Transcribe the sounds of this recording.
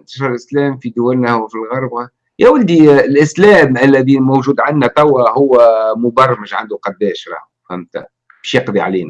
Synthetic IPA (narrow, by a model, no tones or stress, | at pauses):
nt̪ɑ̥ʃɑɾˤlʔɪslɛːmfid̪ʊwælnæwfilɣɑɾˤba | jæwəld̪ilʔɪslɛːmælːæðimowʒuːd̪ʕanːæt̪ˤæwːæhʊwːæmʊbɑrˤmɪʃʕa̰nd̪uqɑd̪ːɛːʃɾˤɑ̰ːhuhæmt̪æ̰ | bɛʃjɑqd̪ˤiʕa̰liːnæ